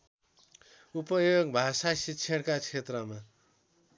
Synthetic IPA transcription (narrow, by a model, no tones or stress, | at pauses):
upʌjoɡbʱasasitːt͡sʰeɽkat͡sʰet̪rʌma